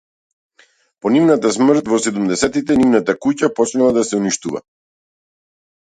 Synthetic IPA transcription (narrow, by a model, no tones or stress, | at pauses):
pɔnivnat̪asmr̩t̪vɔsɛd̪umd̪ɛsɛt̪it̪ɛnivnat̪akucapɔt͡ʃnalˠad̪asɛuniʃt̪uva̰